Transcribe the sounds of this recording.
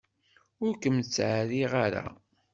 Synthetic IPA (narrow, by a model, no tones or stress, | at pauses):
ʊɾkəmt͡sːʕaɾiʁaɾa̰